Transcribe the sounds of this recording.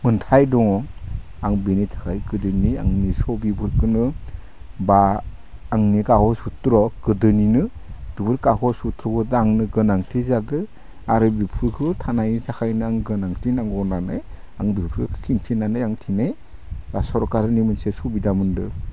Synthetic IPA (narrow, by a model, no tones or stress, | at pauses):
mɯntʰajdɔŋɔ | aŋbinitʰḁkʰajɡɯdɯnia̰ŋnisɔbibɯɾkʰɯnɯ | baː | ŋnikahɔsutɾɔɡ̥ɯdɯninɯ | b̥ibɯɾkahɔsutʰɾɔkɯdɯaŋnɯɡɯnaŋtʰizadɯ | aɾɯbipʰɯkʰɯtʰanajnitʰakʰajnɯaŋɡɯnaŋtʰinaŋɔnanɯj | aŋbipʰɾkʰkʰiŋtʰinanɯjaŋtʰinaj | basɔɾkaɾɯnimɯnsesubidamɯndɯ